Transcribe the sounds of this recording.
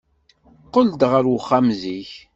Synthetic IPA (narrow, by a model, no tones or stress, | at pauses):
qəld̪ʁəɾwəχːamziç